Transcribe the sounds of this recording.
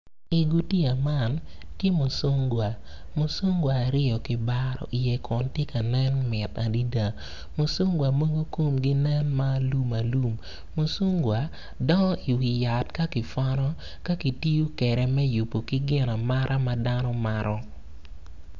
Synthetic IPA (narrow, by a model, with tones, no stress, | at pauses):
i˨ɡu˦ti˦a˨ma˦˨n | tje˦mo˨so˦ŋɡwa˨ | mo˨so˦ŋɡwaː˨ɾɪ˦ɔ˨kɪ˨ba˦ɾɔ̰˨ʔi˨jɛ˨kʰɔ˨ntje˦ka˨nɛ˦nmɪ˨ta˨di˦da˨ | mo˨so˦ŋɡwa˨mo˦ɡo˦ko˦mɡɪ˦nɛ˦nma˦lu˦ma˨lu˦mː | o˨so˦ŋɡwa˨ | dɔ˦nɔ˦i˨wi˨ja˨tka˦kɪ˨fɔ˦ɾɔ˦ | ka˦ki˨ti˦u˦kɛ˨ɾɛ˨mɛ˦ju˨pːo˨kɪ˦ɡɪ˦na˨ma˦ɾʔa˦ma˦da˦nɔ˦ma˦ɾʔɔ˦